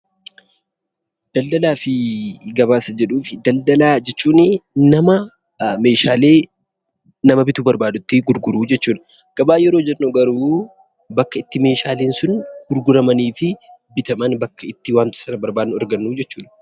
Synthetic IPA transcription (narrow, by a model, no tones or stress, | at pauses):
d̪̥ɐld̪ɐlaːfɪɡɐβaːsɐd͡ʒɛᶑuːfɪd̪ɐld̪ɐlaːd͡ʒɛt͡ʃːuːnɪnɐmɐ | me̞ːʃaːle̞ː | nɐmɐbɪt̪uːbɐɾbaːd̪ʊt̪ːɪɡʊɾɡʊɾuːd͡ʒɛt͡ʃːuːᶑɐ̥ | ɡ̥ɐbaːjɛɾo̞ːd͡ʒɛnːoːɡɐɾuː | bɐkːɐɪt̪ːɪme̞ːʃaːleːnsʊnɡ̥ʊɾɡʊɾɐmɐniːfɪbɪt̪ɐmɐnbɐkːɐɪt̪ːɪwaːnt̪ʊ̥sɐnɐbɐɾbaːd̪nʊɐɾɡɐnːuːd͡ʒɛt͡ʃːuːᶑɐ